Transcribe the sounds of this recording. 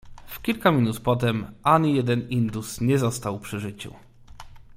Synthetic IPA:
fkʲilkamʲinut̪pɔt̪̬ɛmʔaɲijɛd̪ɛnind̪usɲɛzɔst̪awpʂɘʐɘt͡ɕṵ

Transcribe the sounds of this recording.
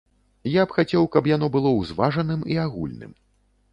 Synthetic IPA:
japxat͡sʲɛwkɐpjan̪ɔbɨlˠɔwzvaʐɐnɨmiaɣṵlʲnɨ̰m

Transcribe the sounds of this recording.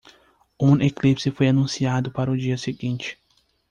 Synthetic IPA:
ũeklipsɪfojanũsiad̪ʊpaɾɐʊd͡ʒiɐseɡĩnt͡ʃɪ̥

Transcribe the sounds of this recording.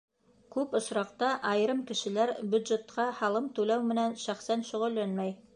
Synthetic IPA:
kʉpŏsɾɑqt̪ɑʔɑjɾɤmkɘ̆ʃɘ̆læɾbjʉd̪ʒet̪qɑhɑlˠɤmt̪ʉlæwmɘ̆nænʃæχsænʃɵ̆ʁɵ̆lːænmæj

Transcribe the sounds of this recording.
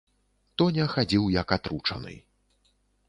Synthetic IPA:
t̪ɔnʲɛxad͡zʲiwjɐkat̪ɾut͡ʂɐ̰nɨ̰

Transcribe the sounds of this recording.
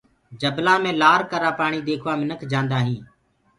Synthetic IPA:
d͡ʒəblaːmẽːlaːɾkəɾaːpaːɳ̃iːd̪eːkʰʋaːmɪnəkʰd͡ʒãːnd̪aːɦĩː

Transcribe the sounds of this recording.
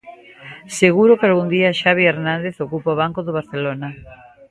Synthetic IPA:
seɣuɾokealɣund̪iaʃaβ̞ieɾnãnd̪eθokupooβ̞aŋkoðoβaɾθelonɐ

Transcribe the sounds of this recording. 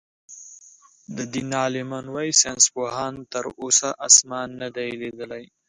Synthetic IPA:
d̪əd̪inɑlɪmanwɑjisenspoɦɑːnt̪əɾosaʔasmɑːnːad̪aeled̪əlaj

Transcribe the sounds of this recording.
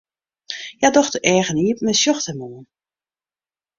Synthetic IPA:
jadɔxtəʔɛːɣəniəp̚mɛsjɔxtəmoːən

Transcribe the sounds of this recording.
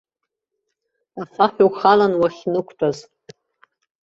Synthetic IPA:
afaħʲᶣuwχalanwaχʲnɨkʷʰtʷʰʼaz

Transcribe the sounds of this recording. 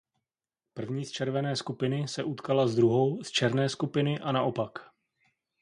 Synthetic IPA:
pr̩vɲiːst͡ʃɛɾvɛnɛːskupɪnɪsɛʔut̪kalazd̪ɾuɦo̞wst͡ʃɛɾnɛːskupɪnɪʔanaʔo̞pak

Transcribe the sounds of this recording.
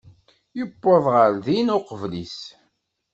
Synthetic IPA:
jəbːəðˤʁəɾðinʊqəvlis

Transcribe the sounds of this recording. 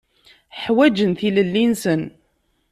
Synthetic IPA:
ħwæd͡ʒənθiləlːinsən

